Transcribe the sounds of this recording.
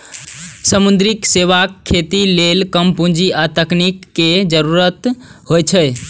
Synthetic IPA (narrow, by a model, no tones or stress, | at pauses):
səmund̪ɾikseʋakʰːet̪ilelkəmpũd͡ʒiat̪əknikːed͡ʒəɾuɾət̪ɦojt͡ʃʰə